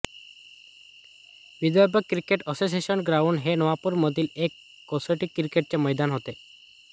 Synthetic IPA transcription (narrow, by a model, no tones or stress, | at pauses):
bid̪ɔɾbɔkɾikeʈɔsos̬iesɔnɡɾawɳɖɦenɔʋapuɾmɔd̪ilekː | osɔʈikːɾikeʈ̚t͡ɕemɔjd̪anɦot̪e